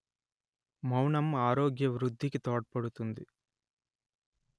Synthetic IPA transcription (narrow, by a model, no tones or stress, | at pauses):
mɐwɳɐmaːɾoːɡjɐʋɾud̪ʱːikit̪oːʈ̚pɐɽut̪und̪i